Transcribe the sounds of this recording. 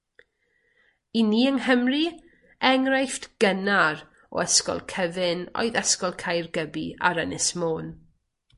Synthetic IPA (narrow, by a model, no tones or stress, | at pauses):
iniːəŋhəmri | ɛŋrajftɡ̥ənar | ɔ̰ɛskɔ̰lˠkʰəvɪno̰ɨðɛskɔlˠkʰajrɡəbia̰ɾənɪsmoːn